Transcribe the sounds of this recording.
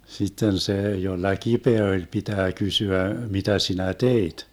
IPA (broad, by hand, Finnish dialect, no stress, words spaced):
sitːen seː jolːɑ kipeæ olʲ pitæː kysyæ mitæ sinæ teit